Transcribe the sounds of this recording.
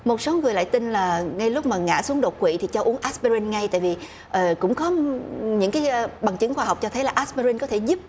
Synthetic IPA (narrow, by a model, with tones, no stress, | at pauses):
mo˨˩t̚so˨˦ŋɨ˨˩əjla̰ː˧˨jt̪ï˧nlaː˨˩ŋa˧jlʊ˦˥k͡p̚maː˨˩ŋa̰ː˧˥su˨˦əŋɗo˨˩t̚kwḭ˧˨t̪ʰi˨˩t͡ɕɔ˧ʔu˨˦əŋʔaː˦˥spe˧ɾi˧nŋa˧jt̪a̰ː˧˨jvi˨˩ | ʔəː˨˩kʊ̰˧˥ŋ͡mkɔ˨˦ɲɨ̰˧˥ŋkaː˨˦˧ɓa˨˩ŋt͡ɕɨ˨˦ŋxwaː˧ɦa˨˩wk͡p̚t͡ɕɔ˧t̪ʰə˨˦jlaː˨˩ʔa˦˥spe˧ɾi˧nkɔ˨˦t̪ʰe˧˩zu˦˥p̚